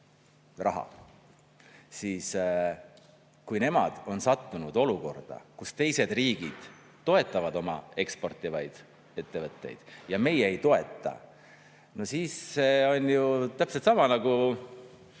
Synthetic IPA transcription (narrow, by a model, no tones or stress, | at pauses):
rɑɦɑ̰ | siːs | kujne̞mɑ̰d̪̥o̞nsɑt̪ːunud̪̥o̞luko̞rd̪̥ɑ̰kust̪e̞jse̞d̪̥riːɡ̥id̪̥ː | o̞e̞t̪ːˑɑvɑd̪o̞mɑ̰e̞kspo̞rt̪ːˑivɑjd̪̥ | e̞t̪ːe̞vɤt̪ˑːe̞̰jd̪̥jɑme̞jeejt̪o̞e̞t̪ːˑɑ̰ | no̞siːsːeo̞nʲjut̪æpset̪sɑmɑnɑɡ̥u